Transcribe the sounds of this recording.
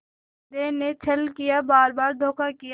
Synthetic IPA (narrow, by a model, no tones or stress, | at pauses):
d̪eːnet͡ʃʰɐlkɪjabaːɾbaːɾd̪ʱoːkakɪj